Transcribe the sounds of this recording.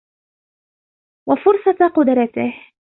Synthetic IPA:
wafʊɾsˤɑt̪qʊd̪ɾˤɑt̪ɪh

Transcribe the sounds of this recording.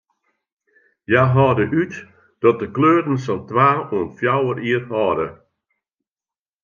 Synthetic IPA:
jaɦɔːdəʔyt | d̥ɔt̚dəkløːdən̩sɔntʋaːuənfjawəriəthɔːdə̰

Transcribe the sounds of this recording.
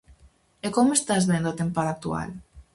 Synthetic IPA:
ekomest̪azðend̪oat̪empaðak̚t̪ua̰l

